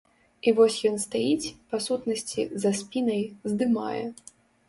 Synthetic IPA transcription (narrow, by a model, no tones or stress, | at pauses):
ivɔsʲjɔnst̪ajit͡sʲpasut̪nɐsʲt͡sʲḭzɐspʲinɐjzd̪ɨma̰jɛ̰